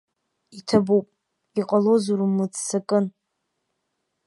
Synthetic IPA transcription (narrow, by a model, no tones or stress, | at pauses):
itʰabupʼ | iqʼalozurumɨt͡sʰʼsakʼɨn